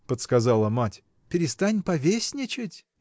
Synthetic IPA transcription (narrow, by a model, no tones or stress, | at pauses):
pət̪skɐzɑlˠəmatʲ | pʲɪɾʲɪst̪anʲpɐvʲesʲnʲɪt͡ʃɪtʲ